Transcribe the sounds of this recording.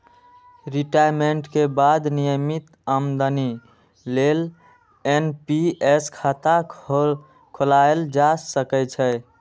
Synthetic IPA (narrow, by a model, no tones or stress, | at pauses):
ɾiʈajmeɳʈkebad̪nijəmit̪əmd̪əni | lel | enpieskʰat̪a | kʰolaeld͡ʒasəkɛt͡ʃʰə